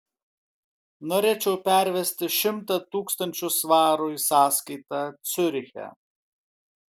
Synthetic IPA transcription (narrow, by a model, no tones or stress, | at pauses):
nɔɾʲɛːt͡ʃʲɛwpʲæɾʲʋʲɛsʲt̪ʲɪʃʲɪmt̪ɐt̪uːkst̪ɐnʲt͡ʃʲʊsʋɑːɾʊsɑːsʲkʲijt̪ɐt̪sʲɵɾʲɪxʲɛ̰